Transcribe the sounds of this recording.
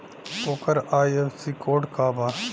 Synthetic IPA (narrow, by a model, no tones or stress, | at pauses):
koːkɐɾaːjefsiːkoːʈkaːba